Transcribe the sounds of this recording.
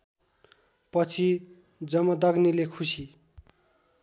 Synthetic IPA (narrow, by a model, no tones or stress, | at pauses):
pʌt͡sʰi | d͡zʌmʌd̪ʌɡnilekʰusi